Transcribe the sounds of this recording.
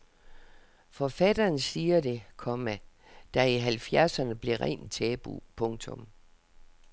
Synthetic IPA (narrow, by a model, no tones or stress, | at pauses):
fɒ̽fæd̥ɐːnsiːɐd̥e̝kʰɒmæ | d̥æiɦælfjæɐsɐnəb̥liɐʁḛːnt͡sʰɛːb̥ṵpʰɔ̽ŋt͡sʰɔ̽m